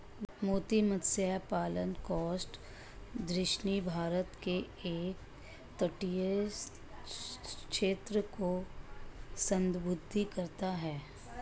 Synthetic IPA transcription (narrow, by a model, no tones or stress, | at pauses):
moːt̪imət̪sjapaːlənkɔːsʈ | d̪ɾɪʃnibʱaːɾət̪ke | eːk | t̪əʈije | kʃeːt̪ɾəko | sə̃nd̪bʊd̪ʱːikɐɾt̪aɦɛː